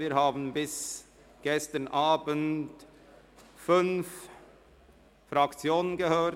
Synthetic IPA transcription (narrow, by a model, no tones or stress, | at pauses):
viːɾɦaːbn̩bɪs | ɡ̥ɛstənʔaːbənt | fʏnf | fɾɑkt͡sjoːnənɡəhøː